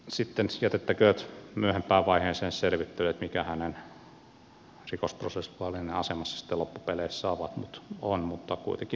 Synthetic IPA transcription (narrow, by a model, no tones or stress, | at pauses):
sit̪ːenjæt̪et̪ːækøːt̪myøhempæːʋʋɑiheːnseːnsselʋit̪ːølet̪mikæhænen | rikosprosesʋuɑlineɑsemɑsːɑ̥si̥t̪ːelopːupeleissɑːʋɑt̪mut̪onmut̪ːɑkṵit̪eŋki